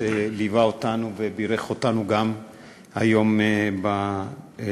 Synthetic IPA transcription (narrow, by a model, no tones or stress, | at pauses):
elivaotanuvebiɾeχo̞tanuɡam | hajomeba